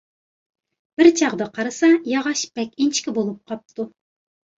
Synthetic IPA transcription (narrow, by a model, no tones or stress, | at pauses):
b̥ɪɾt͡ʃʰɑʁd̪ɑqʰɑɾɨsɑjɑʁɑʃbɛkʲint͡ʃkʲibolˠup̚qʰɑp̚t̪u